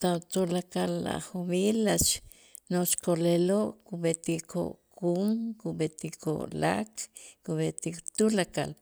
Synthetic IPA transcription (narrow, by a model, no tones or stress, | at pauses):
t̪at̪ulakalːa̰χumiːlat͡ʃ | not͡ʃkoleloʔkubet̪ikʰo̰ʔkuŋkubet̪iko̰ʔla̰kkubet̪it̪ulaka̰l